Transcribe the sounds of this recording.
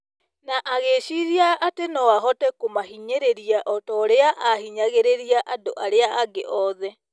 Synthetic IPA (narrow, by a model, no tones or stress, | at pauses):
naʔaɣeɕiɾiaʔatenɔaɦɔtɛkomaɦiɲeɾeɾiaʔɔtɔɾeaʔahiɲaɣeɾeɾiaʔadoʔaɾeaʔaɡeʔɔðɛ